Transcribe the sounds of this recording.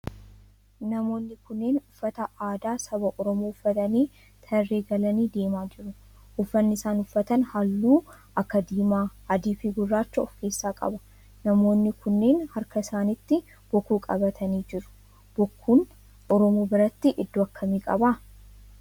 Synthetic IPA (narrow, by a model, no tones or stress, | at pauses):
nɐmo̞ːnːɪkʊnːe̞ːnʊfːɐt̪ɐʔaːd̪aːsɐbɐʔɔɾɔmuːʊfːɐt̪ɐniː | t̪ʰɐrːeːɡɐlɐniːd̪e̞ːmaːd͡ʒɪɾʊ | ʔʊfːɐnːɪsaːnʊfːɐt̪ɐnhɐlːuː | ʔɐkːɐd̪iːmaːɐd̪iːfiɡʊrːaːt͡ʃːɐɔfke̞ːsːaːkʼɐ̰bɐ̥ | nɐmo̞ːnːɪkʊnːe̞ːnhɐɾkɐɪsaːnɪt̪ːɪ | b̥ɔkːuːkʼɐ̰bɐt̪ʰɐniːd͡ʒɪɾʊ̥ | b̥ɔkʰːuːn | ɔɾɔmuːbɪɾɐt̪ːɪʔɪd̪ːʊɐkːɐmiːkʼɐba